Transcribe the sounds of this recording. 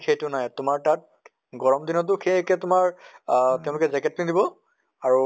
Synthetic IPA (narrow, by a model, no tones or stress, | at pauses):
xʰejtʊnajtʊmaɹtat̚ | ɡɔɹɔmdinɔt̬ʊxʰejekɛtʊmaɹtɛʊ̃lʊkɛzɛkɛt̚kinidibɔ | aɹu